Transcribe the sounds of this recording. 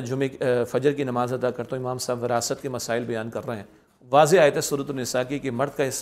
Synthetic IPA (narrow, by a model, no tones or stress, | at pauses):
d͡ʒʊmẽfɐd͡ʒəɾkinɐmaːzɐd̪akɐɾt̪õɪmaːmsaːbʋɪɾaːsət̪̚kemɐsaːɪlbɐjaːnkɐɾːɐɦɛ̃ː | ʋaːzeaːjt̪ɦɛsʊɾət̪ʊɾnɪsaːkikemɐɾd̪̚kaɪs